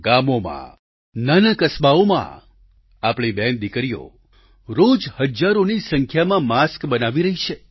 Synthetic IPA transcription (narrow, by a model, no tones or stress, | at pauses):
ɡamomã̰ | nənəkəsbaomã̰ | apɽ̃ibɛnd̪ikɾijo̰ | ɾod͡ʒhəd͡ʒaɾonisəŋkʰjamãmaskbənaʋiɾəɦit͡ʃʰe